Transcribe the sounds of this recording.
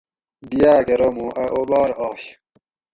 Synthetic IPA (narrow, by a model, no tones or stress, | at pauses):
d̪ijaːkeɾomũʔɐʔobaːɾɑːɕ